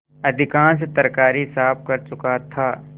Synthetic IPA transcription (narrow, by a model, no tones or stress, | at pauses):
ɐd̪ʱɪkãːns̬t̪ɐɾkaːɾisaːp̚kɐɾt͡ʃʊkat̪ʰaː